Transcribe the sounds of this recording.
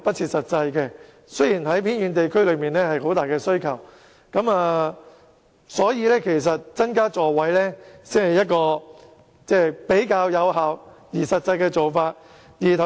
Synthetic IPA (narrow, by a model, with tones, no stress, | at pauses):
pɐ˥t̚t͡sʰiː˧t̚sɐ˨t̚t͡sɐ˧jkɛ˧ | sɵ˥ɥjiː˨˩nɦɐ˨˥jpʰiː˥njyː˨˧nt̪e˨jkʰɵ˥ɥlɵ˨˧ɥmiː˨nlɛː˥hɐ˨jho˨˥wt̪aː˨jkɛː˧sɵ˥ɥkʰɐ˨˩w | kɐ˨˧˥maː˨˧ | sɔː˨˥jiː˨˧lɛː˥kʰe˨˩js̬ɐ˨t̚t͡sɐ˥nkaː˥t͡sɔː˨˩wɐ˨˥jlɛː˥si˨˥hɐ˨jɐ˥t̚kɔː˧ | t͡sɛː˥˩pe˨˥jkaː˧wjɐ˨˧wɦaː˨w | jiː˨˩sɐ˨t̚t͡sɐ˧jkɛː˧t͡so˨wfaː˧t̚ | jiː˨˩t̪ʰɐ˨